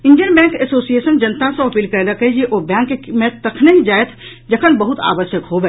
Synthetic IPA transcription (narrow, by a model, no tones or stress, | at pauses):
ɪ̃nɖjənbɛ̃ːŋkesoːsieːʃənd͡ʒɐnt̪aseɐpiːlkɛːd̪akɐɦid͡ʒieʔobɛ̃ːŋkːemẽtt̪ɐkʰnekid͡ʒaːjet̪ʰ | d͡ʒɐkʰənbɐɦʊt̪a̰ːʋəʃjəkɦoːbeː